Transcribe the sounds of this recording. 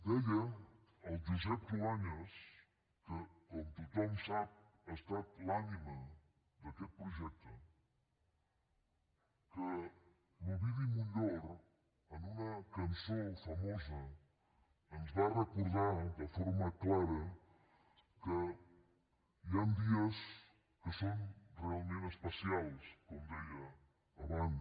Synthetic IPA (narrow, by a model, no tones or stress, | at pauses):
d̪ɛʎɐ | awd̪ezɛt̪uaɲɐs | kɨkõnt̪ut̪ãsapɛst̪at̪lanimɐ | d̪ɐkelpɾuʒɛt̪u | kɨ | muβiβimɨʎɔɾ | ɐnunɐkɐ̃nsõfɐmɔzɐ | nuzβarekuɾðaɾd̪ɐfɔɾmɐklaɾɐ | kɨ | jand̪iɐs | kɨsõrealˠmẽnt̪eʃpɐsialˠskomd̪iʎɐ | ɐβãn